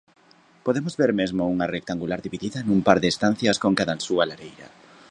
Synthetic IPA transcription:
poðemʊzβeɾmezmʊuŋɐrek̚t̪aŋɡulaɾðiβiðiðɐnumpaɾðeːst̪an̟θjɐskoŋkaðɐnsuɐlaɾejɾɐ̰

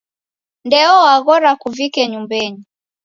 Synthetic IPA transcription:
ndɛɔwaɣɔɾakuvikɛɲumbɛɲi

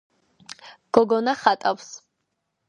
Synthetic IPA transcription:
ɡ̥ɔɡɔnaχat̪ʼaws

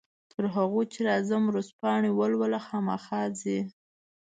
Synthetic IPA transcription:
t̪əɾɦaɣojt͡ʃeɾɑzamwɾospɑɳiwəlwəlaxɑma̰xɑzi

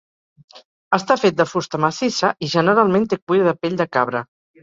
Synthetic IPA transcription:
əst̪afet̪̚d̪əfust̪əməsisəʔiʒənəɾalˠmẽnt̪ek̚wujɾəðəpeʎʲd̪əkaβɾə̰

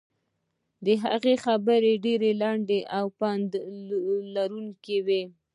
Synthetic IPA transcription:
d̪əɦaɣexabəɾeɖeɾelaɳɖeʔawpand̪ | laɾuŋkewe

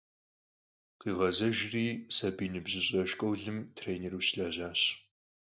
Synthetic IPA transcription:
qiːʁɐzɐʒriːsɐbiːnɨbʑɪɕʼɐʃkʷʼɔwɮɨmtʰreːneruːɕɬaːʑaːɕ

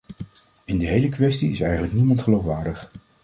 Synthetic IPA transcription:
ɪndəɦejləkʋɛstiɪsɛjχənləknimɑntχəlowfʋaːɹdəχ

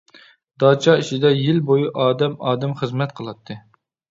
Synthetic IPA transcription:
d̪̥ɑːt͡ʃʰɑit͡ʃid̪ɛjilbojuʔɑːd̪ɛmɑːd̪ɛmχəzmɛt̪̚qʰəlˠɑt̪ʰːɨ

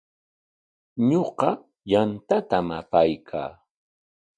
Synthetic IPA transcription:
ɲoqɑ | jant̪at̪amapajkʰa̰ː

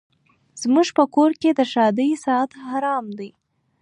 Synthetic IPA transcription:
z̥muʒpəkoɾked̪əʃɑd̪əjsɑat̪haɾɑmd̪əj

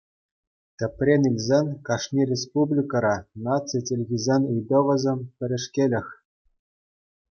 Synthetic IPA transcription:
t̪ʲɘ̆pʲrʲenʲilʲzʲenʲkɑʂnʲirʲespublʲikɑɾɑnɑt͡sitʲelʲɣʲizʲenʲɯjd̪ɤ̆ʋɤ̆zʲemʲpʲɘ̆ɾʲɘ̆ʂkʲelʲɘ̆xʲ

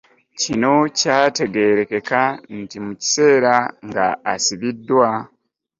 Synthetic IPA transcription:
cino̞caːte̞ɡe̞ɾe̞ke̞kantimuci̥se̞ːɾaŋɡa̰ːsiβidːwa

